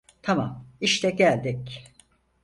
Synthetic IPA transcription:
t̪ʰama̰miʃt̪ʰɛɟælʲd̪ic

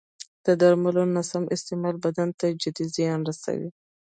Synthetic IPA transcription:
d̪̥əd̪aɾmalonasamʔɪst̪ɪmɑlbad̪ant̪ad͡ʒad̪izjɑnɾasa̰wḭ

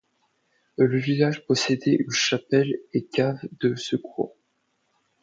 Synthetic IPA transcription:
ləvilaʒpɔsed̪ɛʔynʃapɛlekʲavd̪əsəkwo̰

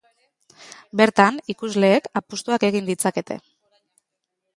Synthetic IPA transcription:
be̞ɾt̪anikuzle̞ːkapust̪uake̞ɣind̪it͡sake̞t̪e̞̰

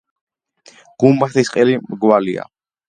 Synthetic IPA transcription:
ɡ̥umbaχt̪ʰisqʼɛlimɡwalia̰

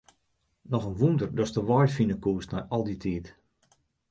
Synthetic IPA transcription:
nɔxənʋundərdɔstəʋɔjfinəkuːstnɛjɔlˠditʰiːt

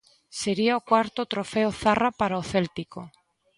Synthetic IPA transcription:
seɾiaokwaɾt̪ot̪ɾofeoθarapaɾaoθelt̪iko

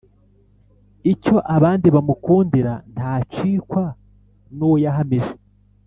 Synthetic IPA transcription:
ico̞ʔaβaːndiβamukuːndiɾan̥taːt͡ʃiːkwa | nuwjaɦamiʒe

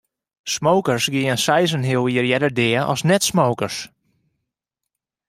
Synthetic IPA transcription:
smowkərsɡɪːənsɛjzənɦɪlˠiərjɛdərdɪɔ̰snɛtsmowkərs

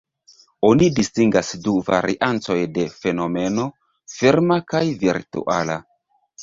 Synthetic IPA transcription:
o̞nidistiŋɡasduva̰ɾiʔant͡so̞jde̞fe̞no̞me̞no̞ | fiɾmakajviɾtṵʔa̰la̰

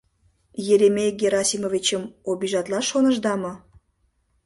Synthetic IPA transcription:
jeɾemʲeɡʲeɾɑsʲimovʲit͡ɕəmobʲiʒɑt̪lɑʃonə̆ʒd̪ɑmo

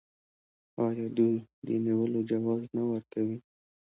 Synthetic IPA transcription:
ɑjɑd̪ujd̪ə̰niwəlod͡ʒawɑznawəɾkawi

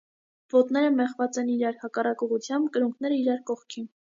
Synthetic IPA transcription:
vɔt̪nɛɾəmɛχvɑt͡sɛniɾɑɾhɑkɑrɑkɔʁut͡sʰjɑmbkəɾuŋkʰnɛɾəiɾɑɾkɔχkʰin

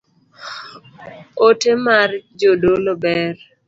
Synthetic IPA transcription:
otemard͡ʒodolobɛr

